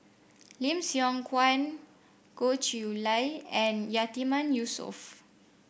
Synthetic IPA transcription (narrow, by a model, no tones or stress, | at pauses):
lĩmsjɔ̃ŋkʰwãn | kot͡ʃiulajɛ̃njat̪imãnjusɔ̰f